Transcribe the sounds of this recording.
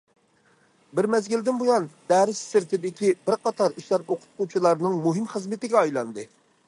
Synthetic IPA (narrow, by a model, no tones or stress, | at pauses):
bɪɾmɛzɡʲild̪ɪnbojˠɑnd̪̥ɛɾɪsːɪɾt̪ʰɪd̪ɪkʲibɪɾqɑt̪ʰɑɾiʃlæɾoqʰʊ̥t̪̚qut͡ʃʰilˠɑɾnɨŋmuɦɪmχəzmɪt̪ɪɡʲɛɑjlˠɑnd̪ɨ